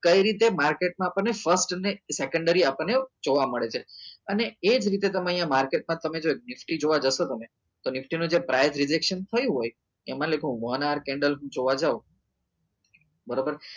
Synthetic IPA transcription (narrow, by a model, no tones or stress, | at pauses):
kəiɾit̪emaɾkeʈ̚mãapəɳnːefəɾsʈənesekə̃ɳɖəɾiapəɳned͡ʒoʋaməɭet͡ʃʰeəneed͡ʒɾit̪et̪əməjãmaɾkeʈ̚mãt̪əmed͡ʒoek̚nɪfʈid͡ʒoʋad͡ʒəʃot̪əme | t̪onɪfʈinũd͡ʒepɾajzɾɪd͡ʒekʃənt̪ʰəjũɦoj | emãlekʰũʋənaɾkɛ̃ɳɖəlɦũd͡ʒoʋad͡ʒau | bəɾobəɾ